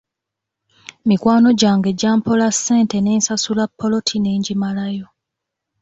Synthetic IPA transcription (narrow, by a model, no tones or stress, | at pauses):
mikwaːno̞ɟaːŋɡe̞ɟaːmpo̞lasːe̞ːnte̞neːnsasulapːo̞lo̞tʰine̞ːɲɟimalajo̞